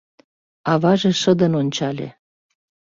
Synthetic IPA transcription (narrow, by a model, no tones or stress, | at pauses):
ɑβɑʒeʃə̆d̪ə̆nonʲt͡ɕɑlʲḛ